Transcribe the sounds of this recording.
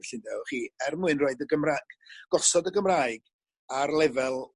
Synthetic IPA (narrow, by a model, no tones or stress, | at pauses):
ɬɨndɛwχiːɛrmuɨnroɨdəɡəmraɡ̥ɡ̥ɔsɔdəɡəmraːɨɡ̥ | arlˠɛvɛlˠ